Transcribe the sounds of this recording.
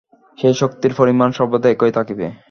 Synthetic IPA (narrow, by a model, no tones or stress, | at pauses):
ʃejʃokt̪iɾfoɾimanʃɔbod̪eekojt̪ʰakibḛ